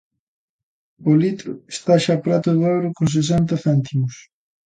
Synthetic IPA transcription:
ʊlit̪ɾʊ̰est̪aʃapɾat̪ʊðowɾʊkons̬es̬ɛnt̪ɐθɛnt̪imʊs

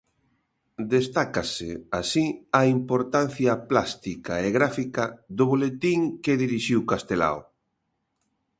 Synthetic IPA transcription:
d̪est̪akaseasiaimpoɾt̪an̟θjaplast̪ikaeɣɾafikaðʊβolet̪iŋkeðiɾiʃiwkast̪ela̰w

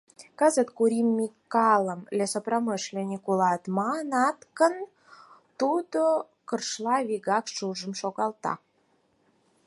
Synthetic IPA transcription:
kɑzət̪kuɾimːikːɑləmlesoproməʃlʲenʲikulɑt̪mɑnɑt̪kə̆n | t̪ud̪o | kərʃlɑβiɣɑkʃuʒə̆mʃoɣɑlt̪ɑ̰

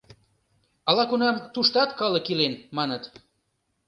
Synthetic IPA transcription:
ɑlɑkunɑmt̪uʃt̪ɑt̪kɑlɤ̆kilenmɑnə̆t̪

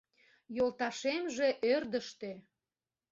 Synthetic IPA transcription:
jolt̪ɑʃemʒe̽ʔørd̪əʃt̪ø

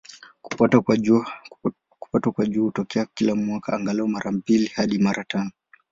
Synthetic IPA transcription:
kpaa | ku̥patwakwaʄuːhutɔkɛakilamwakaʔaŋɡalɛɔmaɾam̩pilihaɗimaɾʔatanɔ

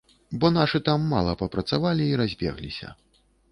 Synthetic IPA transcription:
bɔnaʂɨt̪amːa̰lˠɐpɐpɾɐt̪savalʲiːɾazʲbʲɛ̰ɣlʲḭsʲɐ̰

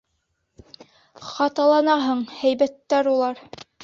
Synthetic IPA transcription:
χɑt̪ɑlˠɑnɑɦɤɴhæjbæt̪ːæɾulˠɑɾ

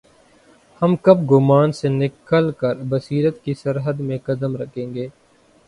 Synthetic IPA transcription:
həmkəb̚ɡʊmaːnsenɪkəlkəɾbəsiːɾət̪kisəɾɦəd̪mẽkəd̪əmɾəkʰẽːŋɡeː

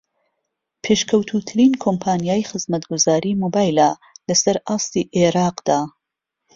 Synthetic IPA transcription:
pʰeːʃkʰɐwt̪ʰut̪ʰɨɾiːnkʰompʰaːnijaːjxɨzmɐt̪ɡuzaːɾiːmoːbaːjlalɐsɐɾʔaːst̪iʔeɾɑːqd̪̥aː

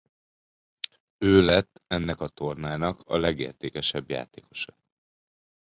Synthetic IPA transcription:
øːlɛt̪ːɛnːɛkɒt̪o̞rnaːnɒkʰɒ̰lɛɡḛːrt̪eːkɛʃɛbja̰ːt̪eːko̞̥ʃɒ̥

